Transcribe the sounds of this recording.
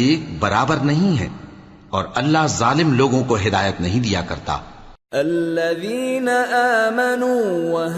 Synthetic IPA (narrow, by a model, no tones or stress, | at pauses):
eːk̚bɐɾaːbəɾnɐɦĩɦɛ̰̃ː | ɔːɾɐlːaɦzaːlɪmloːɡõkoɦɪd̪aːjət̪nɐɦĩd̪ijakɐ̰ɾt̪a̰ː | ɐlːɐðiːnɐʔaːmɐnuːwɐ